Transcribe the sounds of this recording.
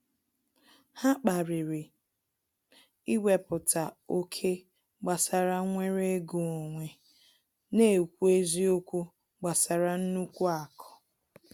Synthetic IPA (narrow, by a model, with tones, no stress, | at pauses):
ha˦k͡pa˨ɾɪ˨ɾɪ˨ | i˦we˨pʊ˨ta˨o˦kʰe˦ | ɡ͡ba˨sa˨ɾa˦ŋʷe˦ɾe˦ɡu˨o˨ŋʷe˨ | ne˦˨kʷu˦e˦zi˦o˦kʷu˦ | ɡ͡ba˨sa˨ɾa˨n̩˦nu˦kʷu˦a˨kʰɔ̥˨